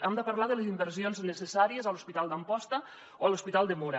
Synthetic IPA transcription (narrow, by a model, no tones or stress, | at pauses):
amd̪əpaɾlaðəlezimbəɾsionznəsesaɾiəzaluspit̪alˠd̪əmpɔst̪ə | oaluspit̪alˠd̪əmuɾa